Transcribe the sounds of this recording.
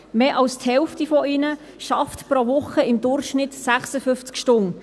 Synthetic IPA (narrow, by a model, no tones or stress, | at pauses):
meːʔɑlsthɛlftifɔinə | ʃɑftpɾoʋʊχəɪmdʊrχʃnɪtsæχsəfʏft͡skʃtʊŋ